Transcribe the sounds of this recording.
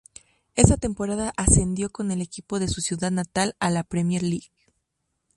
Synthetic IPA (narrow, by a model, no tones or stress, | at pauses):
e̞sat̪e̞mpo̞ɾaðaʔase̞nd̪jo̞ko̞ne̞le̞kipo̞ðe̞susjuðaðnat̪alalapɾemje̞ɾliɣ